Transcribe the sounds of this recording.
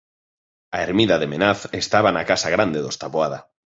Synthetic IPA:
aeɾmiðaðemenaθest̪aβanakasaɣ̞ɾand̪eðost̪aβoaða

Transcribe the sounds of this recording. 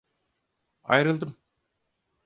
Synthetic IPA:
ɑ̰jɾə̆lˠd̪əm

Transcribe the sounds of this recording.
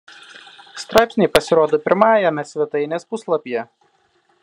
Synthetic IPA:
st̪ɾɑˑɪpʲsʲnʲeɪpɐsʲɪɾoːd̪oːpʲɪɾmɑːjɛmʲɛsʲʋʲɛt̪ɐɪnʲeːspʊslˠɐpʲijɛ

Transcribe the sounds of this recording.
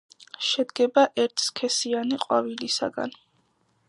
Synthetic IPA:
ʃɛd̪ɡɛbaʔɛɾt̪ʰskʰɛsianiqʼwavilisa̰ɡa̰n

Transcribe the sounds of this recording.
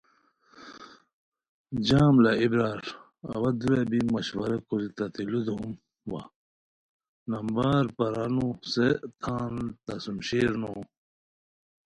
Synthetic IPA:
d͡ʑaːmlɐibɾaːɾ | ɐ̰wɐd̪uebimɐɕwɐɾɐkuɾit̪ɐt̪ilud̪uum | wa̰ | nɐmbaːɾpɐɾanuset̪ʰaːnt̪ɐsumɕiːɾnoː

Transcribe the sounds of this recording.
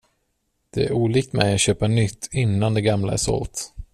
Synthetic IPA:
d̪̥ɛæɾuːliːk̚t̪mɛjat̪ɕøːpanʏt̪ʰːɪnːand̪ɛɡamla̰æ̰ʂɔ̰lt̪

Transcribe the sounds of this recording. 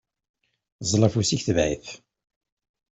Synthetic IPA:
zˤlˤɑfusiçθəvʕḭθ

